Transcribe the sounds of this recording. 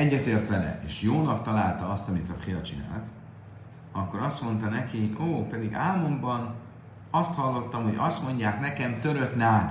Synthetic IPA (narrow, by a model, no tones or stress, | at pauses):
ɛɟːɛt̪eːrt̪ʋɛlɛ̰eːʃjoːnɒkt̪ɒlaːlt̪ɒɒst̪ɒmit̪ɒfeːɒt͡ʃina̰ːlt̪ | ɒkːo̞ɾɒst̪mo̞nt̪ɒnɛkiʔoːpɛd̪iɡaːmombɒn | ɒst̪hɒlːo̞t̪ːɒmho̞ɟɒst̪mo̞ɲɟaːknɛkɛmt̪ø̞ɾø̞t̪naːt̪